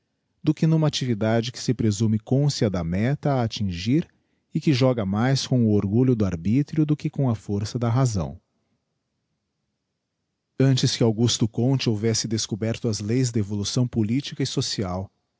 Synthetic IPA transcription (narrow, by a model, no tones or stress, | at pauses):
d̪ʊkɪnũmɐat͡ʃivid̪ad͡ʒɪkɪ̥sɪpɾezumɪkõsiɐd̪ɐmɛt̪ɐːt͡ʃĩʒiɾ | ɪkɪʒɔɡɐmajskõw̃ʊoɾɡuʎʊd̪ʊaɾbit̪ɾjʊd̪ʊkɪkõɐfoɾsɐd̪ɐɦazɐ̰̃w̃ | ɐ̃nt͡ʃɪskɪawɡust̪ʊkõt͡ʃɪowvɛsɪd̪eskobɛɾt̪ʊɐzlejzd̪evolusɐ̃w̃polit͡ʃikɐɪsosiaw